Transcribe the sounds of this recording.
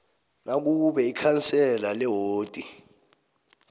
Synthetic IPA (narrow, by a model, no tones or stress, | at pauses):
nʔak̬uɓɛikʰansɛlalɛɦoːtʼi